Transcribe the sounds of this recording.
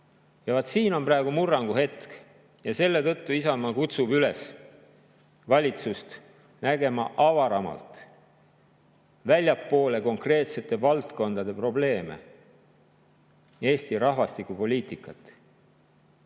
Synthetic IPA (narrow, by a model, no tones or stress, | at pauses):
jɑvɑt̪siːno̞mprɑˑeɡ̥umurːɑŋɡuɦe̞t̪k | jɑse̞lːe̞t̪ɤ̞t̪ːuisɑmɑkut̪subyle̞s | vɑlʲit̪sust̪ | næɡe̞mɑʔɑvɑɾɑmɑ̰lt̪ | vælʲjɑpːo̞ːle̞ko̞ŋkre̞ːt̪se̞t̪ːˑe̞vɑlt̪ko̞nd̪̥ɑd̪̥e̞pro̞ble̞ːme̞̰ | e̞ːst̪iɾɑhvɑst̪ikːˑupo̞lʲiːt̪ˑikːˑɑt̪ːˑ